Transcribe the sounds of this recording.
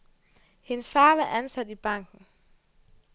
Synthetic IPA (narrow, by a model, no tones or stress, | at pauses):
he̝nəsfɑ̈ːʋɑʔænsæd̥ib̥ɑ̈ŋ̰ɡ̥n̩